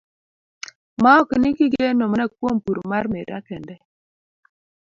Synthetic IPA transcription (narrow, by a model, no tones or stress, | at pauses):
maɔkinikiɡenomanak̚wompuɾmarmeɾa̰kɛndɛ